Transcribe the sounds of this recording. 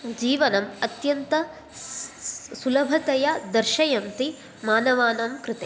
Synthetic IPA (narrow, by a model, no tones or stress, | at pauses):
d͡ʒiːʋɐnɐmɐt̪jɐnt̪ɐ | sulɐbʱɐt̪ɐjɐd̪ɐɾʃɐjɐnt̪i | maːnɐʋaːnɐmkɾɪt̪e